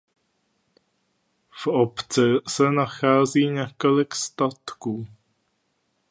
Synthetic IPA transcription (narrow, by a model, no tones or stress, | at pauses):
vopt͡sɛsɛnaxaːziːɲɛkolɪkst̪at̪kuː